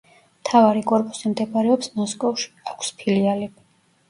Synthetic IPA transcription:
mt̪ʰavaɾikʼɔɾpʼusimd̪ɛbaɾɛɔpsmɔskʼɔvʃi̥akʷʰspʰiliali

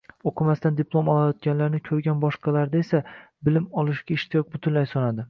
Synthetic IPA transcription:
oqʰɨmast̪and̪ɪpʰlˠomɒlˠajɒt̪ɡʲanlaɾnɪkʲʰɵɾɡʲanbɒʃqʰɑlaɾd̪ae̞sabɪlɪmɒlˠɪʃɡʲaɪʃt̪ʰɪjɒq̚bʊt̪ʰɪnlajsɒnad̪ɪ

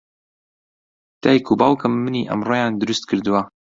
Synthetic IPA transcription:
t̪ajikʰubaːwkɨmːɨniʔɐ̰mroːjaːnd̪ɨɾust̪̚kʰɨɾd̪ɨwa

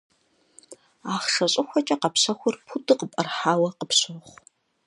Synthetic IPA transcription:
aːχʂɐɕʼɪxʷɔt͡ʃʼɐqɐpɕɐxʷʊrpʰudɨqəpʼɐrħaːwɐqəpɕoχʷ

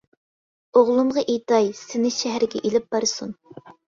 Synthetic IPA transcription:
oʁlˠumʁɑʔejt̪ɑjsɪnɪʃɛɦæɾɪɡʲɛ̰ʔelɪp̚b̥ɑɾsun

